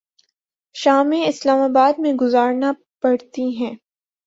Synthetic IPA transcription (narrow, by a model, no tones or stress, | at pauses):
ʃaːmẽɪslaːmaːbaːd̪̚mẽɡʊzaːɾna | pɐɽt̪iɦɛ̃ː